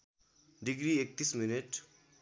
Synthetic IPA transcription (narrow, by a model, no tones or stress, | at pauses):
ɖiɡɾiek̚t̪isminiʈ